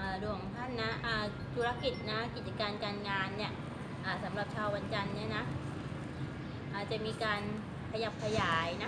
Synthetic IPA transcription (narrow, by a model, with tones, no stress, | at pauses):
ʔaː˨˩du˧˩ə˦ŋt̪ʰa˥˩nːa˦˥ʔaː˨˩ | t̪ʰu˦ɾa˦˥ki˨˩t̪̚na˦˥kʰa˦˥ki˨˩t̪̚t͡ɕa˧kaː˧nkaː˧nŋaː˧nːi˥˩ɐ | ʔaː˨˩sa˩˦mɾa˨˩p̚t͡ɕʰaː˧wːa˧nt͡ɕa˧nːi˦˥˩ɐna˦˥ | ʔaː˨˩t͡ɕa˨˩miː˧kaː˧n | kʰa˧ja˨˩p̚kʰa˧jaː˨˩˦jna˦˥